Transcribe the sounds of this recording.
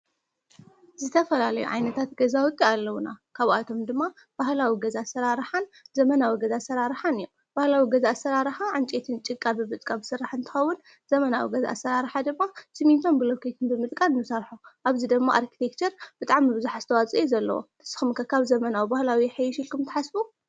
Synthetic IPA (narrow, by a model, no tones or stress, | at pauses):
zɨt̪ʰɐfɐlalɐjṵʕa̰jnɐt̪ʰat̪ɡɐzawʊt̪ʼːialːɐwuna̰kʰaβat̪ʰo̞md̪ɨmːa | b̥ahlawiɡɐzasɐɾaɾħanzɐmɐnawiɡɐzasɐɾaɾħanɨjom | b̥ahlawiɡɐzaʔsɐɾaɾħaʕɨnt͡ʃʼet̪ʰɨnt͡ʃʼɨkʼabɨmɨt̪ʼkʼabɨsɨɾːaħɨnt̪ʰɨ̥xɐwːun | z̥ɐmɐnawḭɡɐza̰ʔasːɐɾaɾħad̪ɨmːasɨmint̪ʰombɨlokʰet̪ʰɨnbɨmɨt̪ʼkʼanɨnːɨsɐɾħoʔaβzid̪ɐɡmːaʔaɾkʰi̥t̪ʰek̚t͡ʃʰɐɾb̥ɨt̪ʼaʕmibɨzuħaz̥ɨt̪ʰɐwat͡sʼiezɐlːɐ̰wo̰ | ɨ̥sɨ̥xumkʰɐkʰaβzɐmɐnawibahlawiħejʃilkumt̪ʰɨ̥ħasbu